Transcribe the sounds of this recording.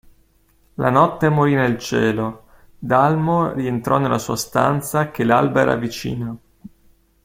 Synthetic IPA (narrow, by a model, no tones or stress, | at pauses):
lʔanɔt̪ːemoɾinelt͡ʃɛːlo | d̪almorient̪ɾɔnelːasuːast̪a̰nt̪sak̟elalbaɛ̰ɾa̰vit͡ʃḭːna